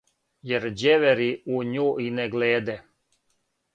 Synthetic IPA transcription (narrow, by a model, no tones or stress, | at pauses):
jeɾd͡ʑeʋeɾiuɲuineɡleːd̪ɛ